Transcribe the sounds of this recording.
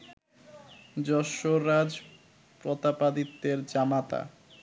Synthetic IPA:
d͡ʑɔʃoɾad͡ʑ | pɾɔt̪apad̪it̪ːeɾd͡ʑamat̪a̰

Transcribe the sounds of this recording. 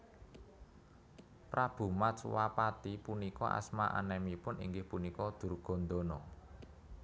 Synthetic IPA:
pɾab̥ṳmatswapat̪ipunikɔ̰ʔa̰smaʔa̰nɛmipʊnḭŋɡɪhpunikɔd̪̥ṳrɡ̥ɔ̤nd̪onɔ

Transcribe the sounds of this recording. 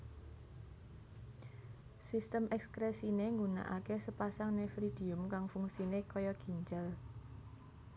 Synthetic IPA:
sist̪əmʔɛkskɾesineŋɡuna̰ʔa̰kesəpasaŋnefɾid̪̥i̤ʊmkaŋfuŋsinekɔjɔɡ̥i̤ɲd͡ʒal

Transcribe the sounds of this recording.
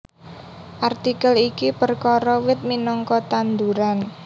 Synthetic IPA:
ʔart̪ikəlikipərkɔɾɔwɪt̪̚minɔŋkɔt̪and̪uɾan

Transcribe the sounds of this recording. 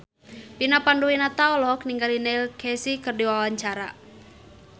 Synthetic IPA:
pinapanduwinat̪aɔlɔɦɔk̚niŋɡalinɛilkʰɛsikɨrdiwawaɲt͡ʃaɾa̰

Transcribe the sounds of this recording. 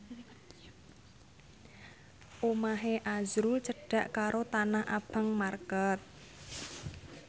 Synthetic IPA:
ʔomaɦeʔazɾut͡ʃəɖ̥a̤ʔkaɾot̪anahʔa̰b̥a̤ŋmarkɔt̪̚

